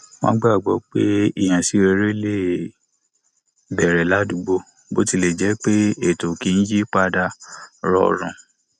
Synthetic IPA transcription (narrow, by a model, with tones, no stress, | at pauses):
mã̰˦ɡ͡ba˦˨ɡ͡bɔ˨˦k͡pe˦i˦˨j̃ã˨si˨˧˦e˧ɾe˦le˦˨ | bɛ˨ɾɛ˨la˨˦du˧ɡ͡bo˧ | bo̰˦ti˧le˨d͡ʒɛ˨˦k͡pe˦e˨to˨ki˨˦n̩˦d͡ʒi˦k͡pa˧da˧ɾɔ̰˧˨ɾ̃ɔ̰̃˨